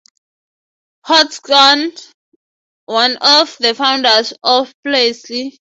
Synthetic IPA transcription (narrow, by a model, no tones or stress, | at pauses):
hɔtɡɔn | wãnɔvðəfãw̃ndasɔfplesli